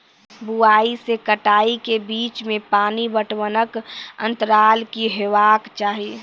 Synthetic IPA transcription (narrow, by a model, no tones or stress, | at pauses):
buaːisekəʈaːikebiːt͡ʃmẽpaːnibəʈwənəkə̰̃nt̪əɾaːlkiɦeʋaːkt͡ʃaːɦi